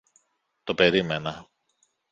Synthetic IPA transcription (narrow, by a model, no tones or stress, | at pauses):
t̪o̞pe̞ɾime̞nɐ